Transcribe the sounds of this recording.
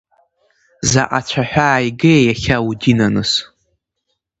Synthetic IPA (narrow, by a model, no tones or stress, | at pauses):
zaʔat͡ɕʷʰaħʷᶣaːjɡeːjaχʲawudinanɨs